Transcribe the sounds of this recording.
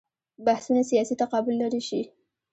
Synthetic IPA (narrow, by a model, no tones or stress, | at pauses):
bahsunasijɑsit̪aqɑbʊlːaɾiʃi